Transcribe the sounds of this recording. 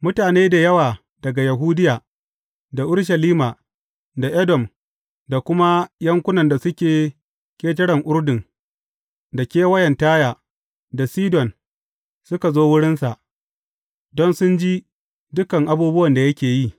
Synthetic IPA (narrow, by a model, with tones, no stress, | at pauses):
mʊ˦taː˨neː˦da˨jɐ˦waː˨ | d̥ɐ˨ɡa˨jɐ˨ɦu˦dɪ˦jaː˨ | da˨ʔʊ˦ɽʃ̬ɐ˨liː˦ma˨ | da˨ʔɛ˦dɔ˨m | da˨kʷʊ˦ma˦jɐ˦ŋkʷʊ˦nɐ˨nda˨sʊ˦kʲeː˨ | kʲʼeː˦t̬ɐ˦ɽɐ˨ŋʔʊ˦ɽdɪ˨ŋ | da˨kʲeː˦wɐ˦jɛ˨ntaː˦jaː˨ | da˨siː˦dɔ˨n | sʊ˦ka˨zoː˦wʊ˦ɽɪ˦nsa˨ʔ | dɔ˦nsʊ˦nd͡ʒi˦ | dʊ˦kɐ˨ŋʔa˨˦buː˦bʊ˦wɐ˨nda˨jɐ˦kʲeː˨ji˦˨